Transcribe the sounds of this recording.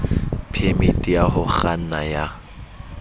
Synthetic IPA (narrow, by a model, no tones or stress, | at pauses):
pʰemitʼijaɦʊχan̩naja